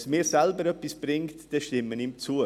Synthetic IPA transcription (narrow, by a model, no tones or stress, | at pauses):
smɪːɾsɛlbəɾœpːisb̥ɾɪŋtd̥ɛʃtɪmːənɪmt͡suːə